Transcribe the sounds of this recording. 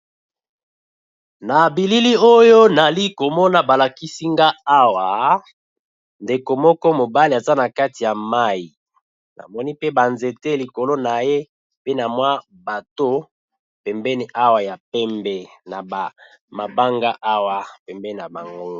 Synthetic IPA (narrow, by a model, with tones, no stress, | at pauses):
na˨bi˨li˦li˦o˦jo˦na˨li˦ko˨mɔ˦na˦ba˨la˨ki˦si˦ŋɡa˦a˦wa˨ | nde˨ko˨mɔ˦kɔ˦mo˨ba˦li˨a˨za˦na˨ka˦ti˨ja˨ma˦i˨ | na̰˨mɔ˦ni˦pe˦ba˨nze˨te˦li˨ko˨lo˦na˨je˦ | pe˦na˨mwa˦ | ba˨to˦ | pɛ˨mbɛ˦ni˦ʔa˦wa˨ja˨pɛ˦mbɛ˨na˨ba˨ | ma˨ba˦ŋɡa˦ʔa˦wa˨pɛ˨mbɛ˦i˨na˨ba˨ŋɡo˦